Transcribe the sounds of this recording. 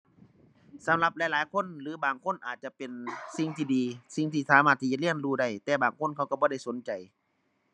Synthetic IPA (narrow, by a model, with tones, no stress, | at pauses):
sa˨˦mla˧p̚laː˨˧˦jlaː˨˦jkʰo˧˥˨nlɯː˨˦baː˨˩ŋkʰo˧˥˨nʔaː˨˩t̪̚t͡ɕa˧pe˨nsi˧ŋt̪ʰiː˧˩diː˨˧si˧˦ŋt̪ʰiː˧˩saː˨˦maː˧˩t̪ʰːiː˧˩t͡ɕa˧li˥˩ənɾuː˧˩da˧˩jt̪ɛː˨˧˩baː˨˩ŋkʰo˧˥˨nkʰa˧˩wka˧˩bɔː˧˦ɾa˥˩jso˨˦nt͡ɕa˨˩j